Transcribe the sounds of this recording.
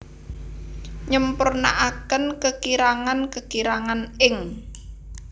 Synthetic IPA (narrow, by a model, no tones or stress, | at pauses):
ɲəmpʊrna̰ʔakənkəkiɾaŋankəkiɾaŋanɪŋ